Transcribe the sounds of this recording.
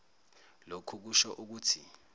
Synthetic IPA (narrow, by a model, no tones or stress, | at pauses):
lokʰuk̬uʃɔʔuk̬uːtʰi